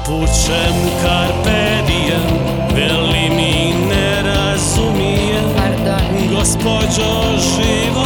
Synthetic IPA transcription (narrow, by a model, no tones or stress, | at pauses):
put͡ʃ | ɛmukaɾpe | d̪ija | vɛlimi | nɛ | ɾa | zumi | ɛ | ɡospod͡ʒo | ʒ | i | ʋo